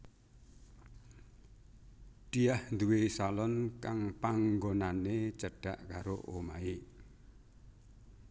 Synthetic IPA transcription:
ɖ̪̥iahnd̪uwesalɔnkaŋpaŋɡonanet͡ʃəɖ̥aʔkaɾoʔomai

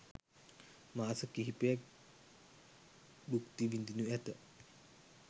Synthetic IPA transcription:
maːsəkiɦipejak | bukt̪iʋind̪inuæt̪ə

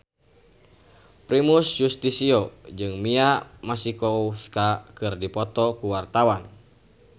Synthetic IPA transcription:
pɾimusjust̪isiɔd͡ʒɨŋmiamasikɔskakɨrdipɔt̪ɔkuwart̪awan

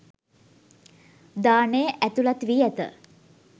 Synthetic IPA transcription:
d̪aːnejəʔæt̪ulat̪ʋiːæt̪ə̰

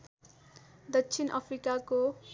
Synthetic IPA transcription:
d̪ʌksʰinʔa̰pʰrikako

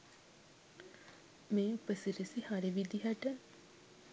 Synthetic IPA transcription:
meːupəsiɾisihaɾiʋid̪iɦaʈə

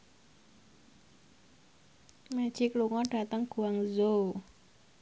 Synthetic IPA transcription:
mḁʒ̥ikluŋɔɖ̥a̤t̪əŋɡ̥ṳwaŋzo

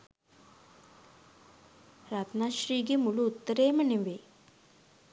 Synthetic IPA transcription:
ɾaːt̪naʃɾiːɡemuɭuːt̪ːɐɾeːmɐniʋe

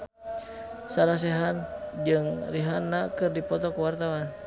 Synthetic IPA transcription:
salas̬ɛɦand͡ʒɨŋriɦanːakɨrdipɔt̪ɔkuwart̪awan

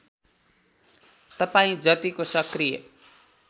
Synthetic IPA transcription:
t̪ʌpaĩd͡zʌt̪ikosʌkrijʌ̰

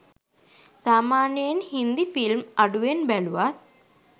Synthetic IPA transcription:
saːmaːnjɐnhind̪ifilmɐɖuʋenbɛluʋat̪̚

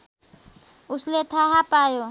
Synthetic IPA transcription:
usletʰaɦapʼaːjɔ

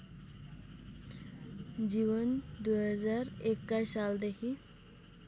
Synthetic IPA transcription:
d͡ʒiβɔnd̪ujɦazaɾekːajsald̪ekʰi

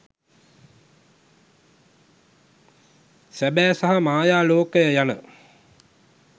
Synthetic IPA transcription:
sæbæːsaɦamaːjaːloːkəjəjanə

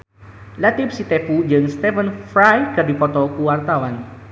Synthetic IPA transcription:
lat̪ɪp̚sit̪epud͡ʒɨŋst̪ɛfənfɾajkərdipɔt̪ɔkuwart̪awan

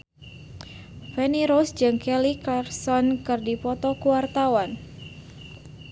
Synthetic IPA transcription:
fɛniɾɔsd͡ʒɨŋkɛlikarsɔnkɨrdipɔt̪ɔkuwart̪awan

